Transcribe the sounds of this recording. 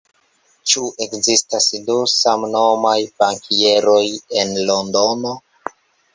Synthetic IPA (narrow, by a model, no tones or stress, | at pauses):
t͡ʃuʔe̞kzistasdusamno̞majpaŋkieɾo̞je̞nlo̞ndo̞no